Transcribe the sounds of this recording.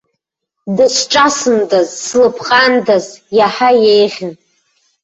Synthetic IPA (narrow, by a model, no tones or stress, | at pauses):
dɨsʷʰʈ͡ʂʼasɨndazslɨpʰqʼandazjaħajejʁʲɪn